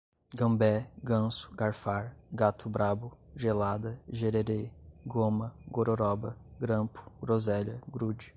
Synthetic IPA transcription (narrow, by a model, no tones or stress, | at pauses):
ɡɐ̃mbɛɡɐ̃sʊ̥ɡaɾfaɾɡat̪ʰʊbɾabʊʒelad̪ɐʒeɾeɾeɡomɐɡoɾoɾɔbɐɡɾɐ̃pʊ̥ɡɾozɛʎɐɡɾud͡ʒɪ̥